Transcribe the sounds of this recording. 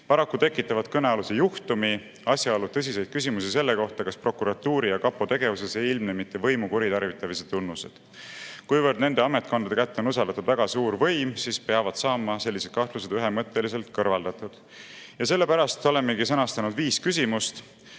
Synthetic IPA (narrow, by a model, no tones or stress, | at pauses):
pɑɾɑkːut̪ekːˑit̪ːˑɑvɑd̪̥̚kɤneɑlusejuht̪umi | ɑsʲjɑolut̪ɤs̬ʲise̞jd̪̥̚kysʲimusise̞lːe̞ko̞ht̪ɑkɑspro̞kuɾɑt̪ːuːɾijɑkɑpːˑot̪e̞ɡ̥e̞vuse̞se̞jilmnemit̪ːe̞vɤ̞jmukuɾit̪ɑrvit̪ːˑɑviset̪ːunːuse̞̰d̪̥ | kujvɤrd̪ne̞nd̪e̞ɑme̞t̪ˑkonɑd̪ekæt̪ːeonus̬ɑld̪ɑt̪ud̪væɡ̥ɑsuːɾvɤ̞jmsispeɑvɑd̪̥sɑːmɑse̞lːise̞d̪̥kɑht̪luse̞d̪̥yɦe̞mɤt̪ːˑe̞lise̞lt̪kɤrvɑld̪̥ɑt̪ːˑud̪̥ | jɑse̞lːe̞pæɾɑst̪o̞le̞mːeɡisɤnɑst̪ɑnud̪viːskysʲimust̪